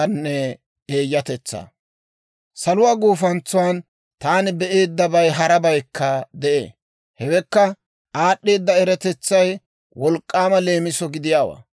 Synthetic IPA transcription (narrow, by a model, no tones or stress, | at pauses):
nːɛ | eːjːɐt̪ɛt͡sːa̰ː | sɐlʊwaːɡuːfɐnt͡sːʊwaːn | t̪aːnɪbɛʔe̞ːd̪ːɐbɐjɦɐɾɐbɐjkːɐd̪ɛʔḛː | hɛwɛkːɐ | ʔaːɗːe̞ːd̪ːɐɛɾɛt̪ɛt͡sːɐj | wɔlkʼːaːmɐle̞ːmɪsɔɡɪd̪ɪjaːwa̰ː